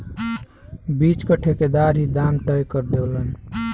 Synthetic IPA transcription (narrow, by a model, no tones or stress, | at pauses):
bit͡ʃkəʈʰeked̪aɾɦid̪amʈəjkəɾd̪elən